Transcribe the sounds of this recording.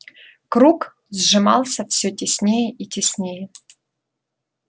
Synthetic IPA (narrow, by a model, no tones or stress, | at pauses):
kɾuk | zʐɨmɑ̰lˠsʲɐfsʲɵtʲɪsʲnʲejɛʔitʲɪsʲnʲejɛ